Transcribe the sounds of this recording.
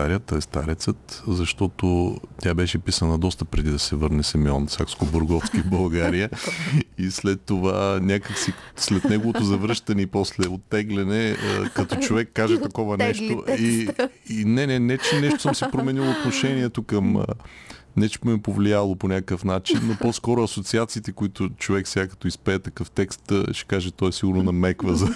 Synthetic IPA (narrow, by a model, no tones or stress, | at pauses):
aɾijət̪əɛst̪aɾɛt̪sət̪zɐʃt̪ɔt̪ot̪ʲabɛʃɛpisənɐd̪ɔst̪ɐpɾɛd̪id̪ɐsɛvɤɾnɛsɛmɛɔnsʲa̰kskoboɾɡɔfskibɐlˠɡaɾijə | islɛt̪ːovanʲakəksislɛt̪nɛɡovot̪ozɐvɾɤʃt̪ɐnɛipɔslɛot̪ːɛɡlɛnɛə̰kɐt̪ɔt͡ʃovɛkːaʒɛt̪ɐkɔvɐnɛʃt̪oiinɛnɛnɛt͡ʃɛnɛʃt̪ʊ̥səmsɛpɾomɛnilˠoot̪noʃɛniɛt̪okɐmə̰ | nɛt͡ʃ̪ɛmɛpovlialˠoponʲakkəfnat͡ʃinːopɔskɔɾʊɐsot̪siat̪siːt̪ɛkoit̪ʊt͡ʃovɛksɛɡakɐ̥t̪ɔispɛːt̪ɐkɤft̪ɛkst̪ʃɛ̥kaʒɛt̪ɔɛsiɡʊɾnonɐmɛkvəzɐ